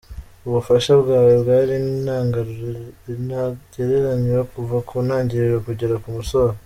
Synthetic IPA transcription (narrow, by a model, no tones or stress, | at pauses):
uβufaʃaβɡaːwebɡaɾin | naɟeɾeɾaɲiwakuvakʰonaːɲɟiɾeɾakuɟeɾakumusoa